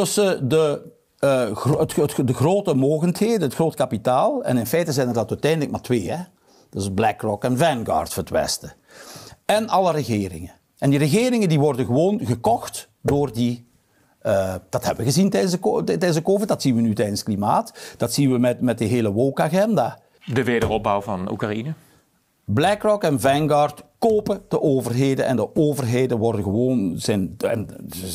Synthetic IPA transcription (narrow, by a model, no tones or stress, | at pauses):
tɵsədə | ətətdəɣroːtəmoːɣəntɦeːdənətxroːtkapitaːlˠɛ̰nɪnfɛjtəzɛjnərdɑtœɥtɛjndələkmaːrtʋeːɦɛ | d̥əzblɛkrɔkɛnvɛnɡa̰ːrtfətwɛ̰stə | ɛnɑləɾəɣeːɾɪ̰ŋən | ɛndirəɣeːɾɪŋəndiʋɔrdəɣəʋoːnɣəkɔxt | doːrdi | əd̥ɑtɦɛbəʋəɣəzintɛjdənzəkotɛdənzəkoːvədɑtsinʋənytɛjdənsklimaːtd̥ɑtsinʋəmɛtmɛt̚dəɦeːləʋowkaɣɛndaː | dəʋeːdərɔb̚bawvɑnṵkrainə | blɛkrɔkɛnvɛŋɡartkoːpəd̥əʔoːvərɦeːdənʔɛ̰ndəoːvərɦeːdənʋɔrdəɣəʋoːnzɛnɛ̰n